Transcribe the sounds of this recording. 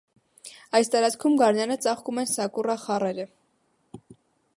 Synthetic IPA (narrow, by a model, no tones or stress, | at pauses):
ɑjst̪ɑɾɑt͡sʰkʰumɡɑɾnɑnət͡sɑχkumɛnsɑkurɑχɑrɛɾə